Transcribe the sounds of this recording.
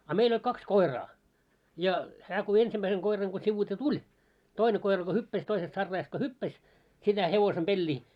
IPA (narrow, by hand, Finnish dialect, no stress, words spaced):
ɑ meil olʲ kɑks koi̞rɑː jɑ hæː ko ensimːæiseŋ koirɑŋ ko siʋuite tulʲ toine koi̞rɑ ko hypːæs toisest sɑrːɑːjɑst ko hypːæs sitæ heʋosem b̥elʲːiː